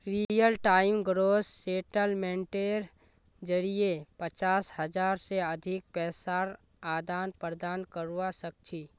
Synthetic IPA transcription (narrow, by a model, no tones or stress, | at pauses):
ɾijəlʈaːɪmɡɾoːsːeːʈəlmẽɳʈeɾ | d͡ʒəɽijepət͡ʃaːshəd͡ʒaːɾseəd̪ʱɪk̚pɛːsaɾ | aːd̪aːnpɾd̪aːnkəɾuwasək̚t͡ʃʰiː